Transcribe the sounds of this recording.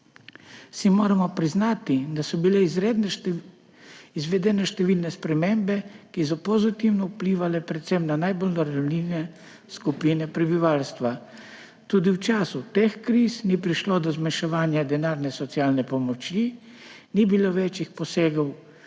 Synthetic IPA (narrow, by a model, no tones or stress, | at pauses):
simoːɾamɔpɾiznaːt̪id̪asɔbilɛ | izʋɛd̪ɛnɛʃt̪ɛʋiːlnɛspɾɛmeːmbɛkis̬ɔpɔzit̪iwnɔwpliʋalɛpɾɛt̪sɛmnanajbolnɔɾanlinɛ | skupiːnɛpɾɛbiʋalst̪ʋa | t̪uːd̪iwt͡ʃaːsut̪eːxkɾisnipɾiʃlod̪ɔzmanʃɛʋaːnjad̪ɛnaːɾnɛsɔt̪siaːlnɛpɔmɔt͡ʃji | nibiloʋeːt͡ʃixpɔseːɡɔw